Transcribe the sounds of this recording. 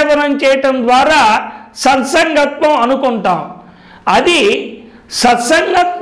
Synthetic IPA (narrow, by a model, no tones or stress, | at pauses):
ʋɐnɐmt͡ʃɛːjɐʈɐmd̪ʋaːɾaːsɐnsɐŋɡɐt̪ʋɐmɐnukuɳʈaːm | ɐd̪i | sɐt̪sɐŋɡɐt̪̚